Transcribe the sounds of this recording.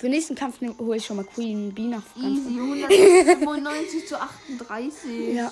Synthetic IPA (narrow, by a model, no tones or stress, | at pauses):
fyɐnɛːstn̩kʰamfnhoɪçʃɔmakʰwiːnbiːnaanʊn | nːɔɪnt͡sɪçt͡suʔaχtn̩dʁaɪsɪja